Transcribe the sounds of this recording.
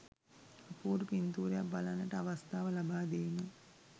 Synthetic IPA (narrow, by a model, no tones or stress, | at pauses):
əpuːɾupint̪uːɾejakbalanːəʈəaʋast̪aːʋəlabaːd̪eːmə